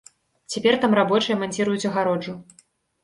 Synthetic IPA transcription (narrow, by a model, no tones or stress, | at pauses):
t͡sʲapʲɛrt̪amrabɔt͡ʂɨjɐmanʲt͡sʲiɾujut͡sʲɐɣaɾɔd͡ʐu